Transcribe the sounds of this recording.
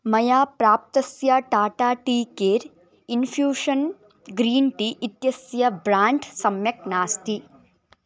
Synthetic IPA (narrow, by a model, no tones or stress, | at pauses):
mɐjaːpɾaːp̚t̪ɐsjaʈaːʈaːʈiːkeːɾ | infʰjuːʂɐn | ɡɾiːnʈiʔit̪jɐsjɐbɾaːɳʈsɐmjɐk̚naːst̪i